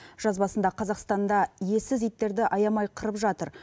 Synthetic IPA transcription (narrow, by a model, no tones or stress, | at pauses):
ʒ̥ɑzbɑsənd̪ɑqʰɑzɑqst̪ɑnd̪ɑje̞sɪzijt̪ːe̞ɾd̪ɪʔɑjɑmɑjqʰəɾəpʒɑt̪əɾ